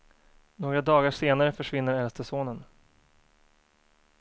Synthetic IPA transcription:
noːɡɾad̪ɑːɡaʂeːnaɾəfœʂvɪnːəɾɛlst̪əʂoːnən

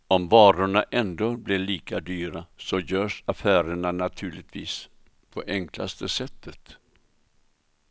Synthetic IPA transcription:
ɔmvɑːɾʊɳaʔɛnd̪oːblɪɭiːkad̪yːɾasɔjœːʂafæːɾəɳanat̪ʰʉ̟ːɭɪt̪ʰviːs | pʰɔʔɛŋkla̰st̪əsɛt̪ːət̪

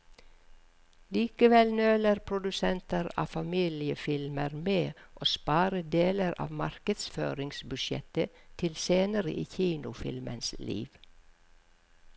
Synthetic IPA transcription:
liːkəʋɛlnøːləɾpʰɾʊd̪ʉsɛnt̪əɾɑ̰ːfɑmiːlɪəfɪlməɾmeːʔoːspɑːɾəd̪eːləɾɑ̰ːʋmɑɾkəd̪sfø̰ːɾɪŋsbʉʃjɛ̰t̪ət̪ʰɪlseːnəɾə̰ʔiːçiːnʊfɪ̰lmʔə̰nslḭːʋ

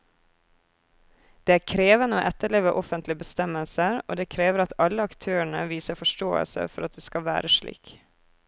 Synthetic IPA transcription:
d̪̥eːæːkʰɾeːʋənəoːʔɛt̪əɭeːʋəʔɔfənt̪lɪbəst̪ɛməlsəɾo̰ːd̪eːkʰɾeːʋəɾɑt̪ɑləɑkt̪ʰøːəɳə̰ʋiːsəfɔʃʈoːə̰lsə̰fɔɾɑt̪̚d̪eːskɑʋæ̰ːɾəʃlḭːk

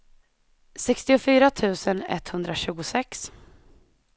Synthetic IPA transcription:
sɛkst̪ɪʊfyːɾat̪ʰʉ̟ːsənɛ̰t̪ːhɵnd̪ɾaɕʉ̟ːɡʊsɛks

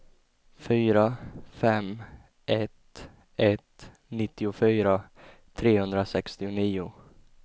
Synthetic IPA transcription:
fyːɾafɛm | ʔɛt̪ | ʔɛt̪ | nɪt̪ːɪʊfyːɾa | t̪ʰɾeːhɵnd̪ɾasɛkst̪ɪʊniːʊ

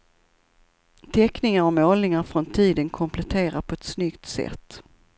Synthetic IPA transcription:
t̪ʰɛknɪŋaɾɔmoːlnɪŋaɾfɾɔnt̪ʰiːd̪ənkʰɔmpʰlɛt̪ʰeːɾaɾpʰɔɛt̪snʏkt̪sɛ̰t̪ː

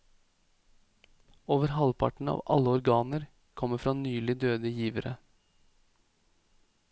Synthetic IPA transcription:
oːʋəɾɦɑlpʰɑ̰ʈɳ̩ɑ̰ːʋɑ̰ləɔɾɡɑːnəɾ | kʰɔmːəfɾɑːnyːlɪd̪øːd̪əjiːʋəɾʔə

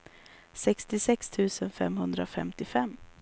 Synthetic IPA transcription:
sɛkst̪ɪsɛkst̪ʰʉ̟ːsənfɛ̰mhɵnd̪ɾafɛmt̪ɪfɛmː

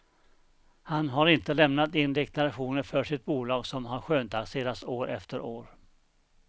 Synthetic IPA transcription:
hanɦaɾɪnt̪əlɛmnat̪ɪnd̪ɛkt̪aɾaɧuːnəɾfœʂɪt̪̚buːlɑːɡsɔmɦaɾɧøːnt̪ʰakseːɾasoːɾɛ̰ft̪əɾoːɾ

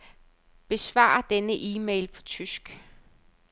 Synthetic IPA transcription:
b̥e̝sʋɑ̰̈ːɐd̥enəʔiːmeɪlpʰɒ̽t͡sʰysɡ̥

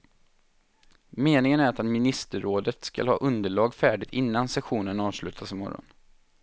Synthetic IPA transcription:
meːnɪŋənæɾat̪at̪mɪnɪst̪əɾoːd̪ət̪ska̰lhɑ̰ːʔɵnd̪əɭɑːɡfæːɖɪɡt̪ɪnːansɛɧuːnənɑːvslʉ̟ːt̪ʰasɪmɔ̰ɾːɔ̰n

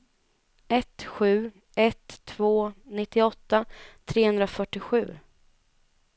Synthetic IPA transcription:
ʔɛt̪ɧʉ̟ː | ʔɛt̪ʰːvoːnɪt̪ːɪɔt̪ːat̪ʰɾeːhɵnɾafœʈːɪɧʉ̟ː

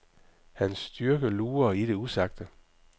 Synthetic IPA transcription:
hænsːd̥yɐɡ̥əluːɐiɾ̥e̝usɑ̈ɡ̥̚d̥ə

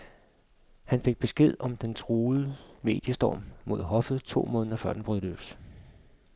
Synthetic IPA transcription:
hænfe̝ɡ̥̚b̥e̝sɡ̥e̝ð̰ˠɒ̽md̥ent͡sʰʁuːð̩ˠəme̝̰ːd̥jəsd̥ɒ̰ːmmo̝ð̞̰ˠɦɒ̽fð̩ˠt͡sʰo̝̰ːmɔ̽ːnð̩ˠɐfɶɐ̰d̥enb̥ʁylø̰s

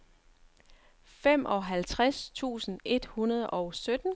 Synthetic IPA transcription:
fem̰ʔɒ̽ɦælt͡sʰʁast͡sʰṵːsn̩e̝d̥hunɐð̞ˠʔɒʊsød̥n̩

